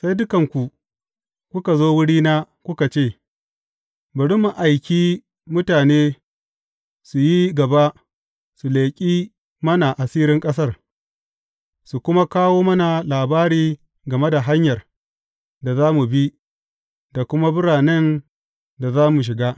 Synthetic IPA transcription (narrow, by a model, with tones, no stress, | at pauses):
sa˦jdʊ˦kɐ˨ŋkʷu˨ | kʷʊ˦ka˨zoː˦wʊ˦ɽiː˦naː˦ | kʷʊ˦ka˨t͡ʃeː˦˨ | bɐ˨ɽʊ˦mːu˨ʔa˨jkʲiː˦ | mʊ˦taː˨neː˦ | su˨ji˦ɡɐ˨ba˦ | su˨leː˨kʲʼiː˦ | mɐ˦na˨ʔa˨siː˦ɾɪ˦ŋkʼɐ˦s̬ɐ˦r | su˨kʷʊ˦ma˦kaː˦woː˦mɐ˦na˨laː˨baː˦ɽiː˦ | ɡɐ˨me˦da˨ɦa˦ɲjɐ˨r | da˨zaː˦mu˨bi˦ | da˨kʷʊ˦ma˦bʊ˦ɽaː˨nɛ˦n | da˨zaː˦mu˨ʃ̬ɪ˨ɡaː˦